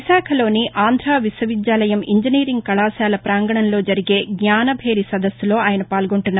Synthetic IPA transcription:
saːkʰɐlo̞ːniʔaːnd̪ʱɾaːʋiswɐʋid̪jaːlɐjɐmiɲd͡ʒiniːɾiŋɡ̚kɐlaːsaːlɐpɾaːŋɡɐɳɐnlo̞ːd͡ʒɐɾiɡe̞ːɡɲaːnɐbʱe̞ːɾisɐd̪ɐsːulo̞ːaːjɐnɐpaːlɡoɳʈunːa

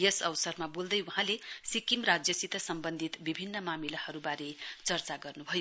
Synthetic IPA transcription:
jesʌwsʌrmabold̪ʌjwuɦãlesikimrad͡zjʌsit̪ʌsʌmbʌnd̪ʱit̪bibʱinːʌmamilahʌɾubaɾet͡sʌrt͡saɡʌrnubʱʌjo

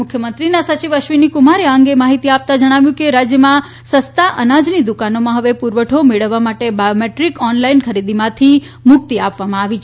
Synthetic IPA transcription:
mʊkʰjəmənt̪ɾinasət͡ʃiʋəʃʋinikumaɾeaŋɡemaɦit̪iap̚t̪ad͡ʒəɽ̃aʋjũkeɾad͡ʒjəmã | səst̪aʔənad͡ʒnid̪ukanomãɦəʋepuɾʋəʈʰomeɭəʋːamaʈebajomeʈɾikɔnlainkʰəɾid̪imãt̪ʰi | mʊk̚t̪iapʋamãaʋit͡ʃʰe

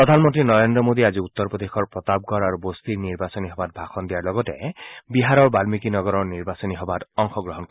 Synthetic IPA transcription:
pɾɔd̪ʱanmɔnt̪ɾinɔɾend̪ɾɔmod̪iad͡ʒiut̪ːɔɾpɔd̪exʰɔɹpɹɔt̪ab̚ɡʱɔɾaɾubost̪iɾniɾbasɔniɦɔbad̪̚bʱaxʰɔnd̪iaɾlɔɡɔtebiɦaɾɔɹbalmikinɔɡɔɾɔɹniɾbasɔniɦɔbat̪ɔŋxʰɔɡɾɔɦɔnkɔ

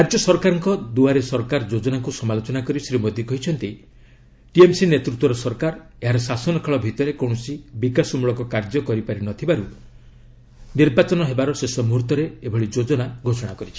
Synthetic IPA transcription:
kaɾd͡ʒɔsɔɾkaɾɔŋkɔd̪uaɾesɔɾkaɾd͡ʒod͡ʒɔnakusɔmalot͡ʃɔnakɔɾisɾimod̪ʱjikɔɦit͡ʃʰɔnt̪i | ʈiemsinet̪ɾut̪wɔɾɔsɔɾkaɾ | eɦaɾɔsasɔnɔkʰɔɭɔbʱit̪ɔɾekow̃ɔsibikasɔmuɭɔkɔkaɾd͡ʒɔkɔɾipaɾinɔt̪ʰibaɾu | niɾbat͡ʃɔnɔɦebaɾɔsesɔmuɦuɾt̪ɔɾeebʱɔɭid͡ʒod͡ʒɔnaɡʱosɔɽ̃akɔɾit͡ʃʰi̥

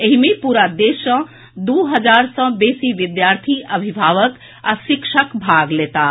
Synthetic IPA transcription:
eɦimepuɾad̪esə̃ | d̪uɦəd͡ʒaɾsə̃besiʋid̪jaɾt̪ʰiʔəbʱibʱaʋək | asikʃʰəkbʱaɡlet̪a

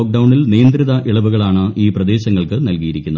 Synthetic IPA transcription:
oːk̚ɖɐwɳilnijɐnd̪riðɐʔiɭɐʋuɣɐɭaːɳɨʔiːprɐd̪e̞ːɕɐŋːɐɭkɨnɐlkijiɾikʲːunːɐ

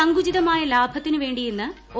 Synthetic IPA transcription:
ɐŋɡud͡ʑiðɐmaːjɐlaːbʱɐt̪ːinɨʋe̞ːɳɖijenːɨ | o

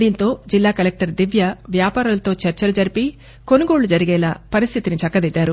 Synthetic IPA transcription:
d̪iːnt̪o̞ːd͡ʒilːaːkɐlek̚ʈɐɾd̪iʋjɐʋjaːpaːɾulɐt̪o̞ːt͡ʃɐɾt͡ʃɐlɐd͡ʒɐɾipi | ko̞nuɡo̞ːɭːud͡ʒɐɾiɡɛːlaːpɐɾist̪ʰit̪init͡ʃɐkːɐd̪id̪ːaːɾu

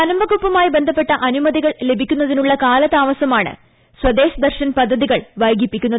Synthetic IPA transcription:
ɐnɐmbɐɣupːɐmaːjibe̞nd̪ʱɐpːe̞ʈːɐʔɐnumɐðiɣɐɭle̞bʱikʲːun̪ːɐðinuɭːɐkaːlɐt̪aːʋɐsɐmaːɳɨ̰ | swɐd̪e̞ːɕɐd̪ɐrɕɐnpɐd̪ʱːɐðiɣɐɭʋɐjɡipːikʲːunːɐ

